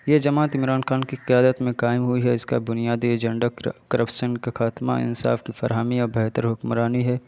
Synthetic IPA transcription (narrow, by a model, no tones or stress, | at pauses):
jed͡ʒɐmaːt̪ɪmɾaːnxaːnkiqɪjaːd̪ət̪mẽqaːɪmɦʊiɦɛɪska̰bʊnijaːd̪ieːd͡ʒə̃ɳɖakɐɾʔəpʃənkexaːt̪ma̰ɪ̰nsa̰ːfkifɐɾɦəmiɔːɾbɛːɦt̪əɾɦʊkmɾaːniɦɛː